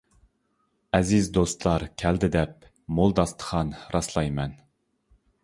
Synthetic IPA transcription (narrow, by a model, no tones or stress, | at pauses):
ɛzizd̪ost̪lˠɑɾkʲʰɛld̪ɪd̪ɛp̚ | molˠd̪ɑst̪ʰə̥χʰɑnɾɑslˠɑjmɛn